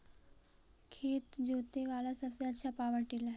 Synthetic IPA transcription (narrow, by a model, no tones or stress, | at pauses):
kʰet̪d͡ʑot̪eʋalasəbseətːɕʰapaʋəʈilaɦ